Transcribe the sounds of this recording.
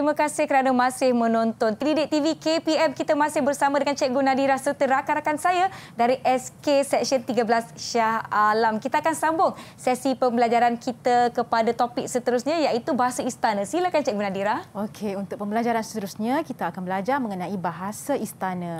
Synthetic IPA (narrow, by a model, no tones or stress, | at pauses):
t̪ɾimãkasɪhkəɾanamãsɪhmə̃nɔnt̪ɔnt̪ɾidɪt̪ivikepiɛmkit̪amãsɪhbərsamãdəŋant͡ʃɛʔ̚ɡunadiɾahsərt̪əɾakaɾakansajadaɾiʔɛskesɛk̚sənt̪iɡabəlasʃahalamkit̪aakansambʊŋsɛsipəmbəlad͡ʒaɾankit̪akəpadat̪opɪk̚sət̪əɾusɲãjaʔit̪ubaɦasaist̪anãsilakant͡ʃɛʔɡunadiɾahokʰeunt̪ʊk̚pəmbəlad͡ʒaɾansə̥t̪əɾusɲakit̪aakanbəlad͡ʒarmə̃ŋənãibaɦasaist̪anã